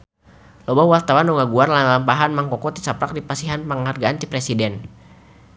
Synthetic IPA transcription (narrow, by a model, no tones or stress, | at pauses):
lɔbawart̪awanɔŋaɡuarlaampaɦanmaŋkɔkɔt̪i̥sapɾak̚dipasiɦanpəŋharɡaant̪ipɾɛsidɛn